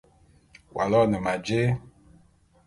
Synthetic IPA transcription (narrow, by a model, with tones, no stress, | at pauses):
wʔa̰˨lɔ˦˨nɛ˨ma˨d͡ʒe˦